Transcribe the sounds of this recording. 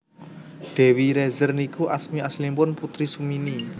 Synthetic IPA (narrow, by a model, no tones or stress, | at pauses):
ɖ̪̥ɛ̤wiɾezərnikuʔasmiaslimpʊnput̪ɾisumini